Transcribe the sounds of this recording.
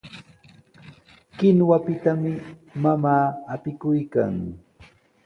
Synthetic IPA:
kɪnwapɪt̪amɪmamaːpɪkʊjka̰ŋ

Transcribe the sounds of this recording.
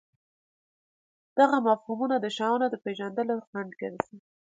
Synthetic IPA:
d̪̥aɣamafhumunad̪əʃɑwnod̪əpeʒand̪əloxaɳɖkeɾasi

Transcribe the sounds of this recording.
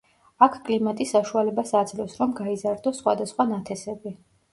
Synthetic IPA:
akʰkʼlimat̪ʼisːaʃualɛbasad̪zlɛsɾɔmɡaizaɾd̪ɔsːχwa̰d̪asχwanat̪ʰɛsɛbi

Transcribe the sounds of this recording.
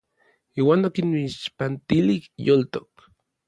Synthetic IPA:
iːwaːnokiniʃpant̪ilihjolt̪ok̚

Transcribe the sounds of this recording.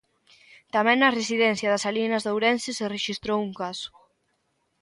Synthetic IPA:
t̪amɛ̃ŋnɐresiðɛn̟θjɐðɐsalinɐzðowɾɛnsesereʃist̪ɾowuŋkasʊ̥

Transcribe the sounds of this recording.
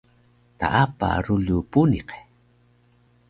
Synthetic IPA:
t̪a̰ʔapa̰ɾʊʎupuniqe̥

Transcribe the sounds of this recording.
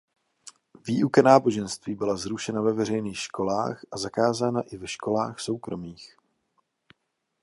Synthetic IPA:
viːʔukanaːbo̞ʒɛnst̪viːbɪlazɾuʃɛnavɛvɛrɛjniːxʃko̞la̰ːxʔazakaːzaːnaʔɪvɛʃko̞laːxso̞wkɾo̞miːx

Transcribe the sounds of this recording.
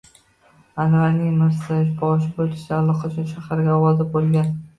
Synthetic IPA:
anvanɪŋmɪɾsaɪfbɒʃ̬ɪbolɪ̥ʃd̪aːlˠɒqʰɑt͡ʃʰʊnʃahaɾɡʲaɒwɒd̪abolˠɡʲan

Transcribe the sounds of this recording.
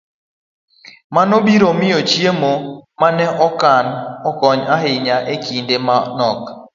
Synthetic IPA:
manɔbiɾomɪjot͡ʃjemomanɛʔɔkanɔkɔɲaɦɪɲaʔekindemanɔk

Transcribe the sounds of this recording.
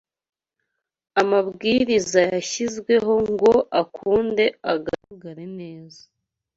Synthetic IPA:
amabɡiːɾizajaçizɡwe̞ɦo̞ŋɡo̞ʔakʰuːnde̞aɡaɾaɡaɾene̞ːza

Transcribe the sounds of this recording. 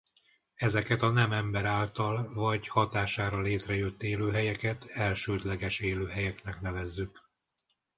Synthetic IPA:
ɛzɛkɛt̪ɒnɛmɛmbɛɾaːlt̪ɒlvɒɟhɒt̪aːʃaːɾɒleːt̪rɛjøt̪ːeːløːɦɛjɛkɛt̪ɛlʃøːd̪lɛɡɛʃeːløːɦɛjɛknɛkn̪ɛvɛzːyk

